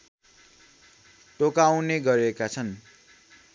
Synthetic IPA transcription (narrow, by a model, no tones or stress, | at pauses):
ʈokawneɡʌɾekat͡sʰʌn